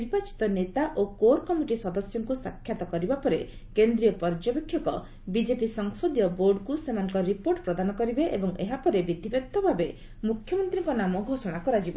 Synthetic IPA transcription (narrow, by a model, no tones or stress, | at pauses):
niɾpat͡ʃi̥t̪ɔnet̪aʔokoɾkɔmiʈisɔd̪ɔsjɔŋkusakʰːjat̪ɔkɔɾibapɔɾekend̪ɾiɔpɔɾd͡ʒɔpekʰjɔkɔ̰ | bid͡ʒepisɔŋsod̪jɔboɾɖkusemanɔ̃ŋkɔɾipoɾʈpɾɔd̪anɔkɔɾibeʔebɔŋeɦapɔɾebid̪ʱibek̚t̪ɔbʱabe | mukʰjɔmɔnt̪ɾiŋkɔnamɔɡʱosɔɽ̃akɔɾad͡ʒibɔ